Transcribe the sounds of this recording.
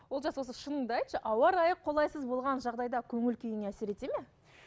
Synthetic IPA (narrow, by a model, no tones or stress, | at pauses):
wwo̞lˠʒɑswo̞səʃənəɴd̪ɑjt̪ʃəʔɑwɑɾɑjəqʰːo̞lˠɑjsəzbo̞lˠʁɑnʒɑʁd̪ɑjd̪ɑkʲʰɵŋɪlkʲʰijɪŋæseɾe̞t̪e̞me